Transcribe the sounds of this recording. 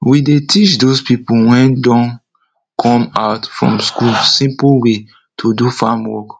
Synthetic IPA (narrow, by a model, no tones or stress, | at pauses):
widetʰit͡ʃdospipowɛ̃ndɔ̃n | kʰɔ̃maʊtfɹɔ̰̃mskulsĩmplwe | tʰudufãmwɔ̰k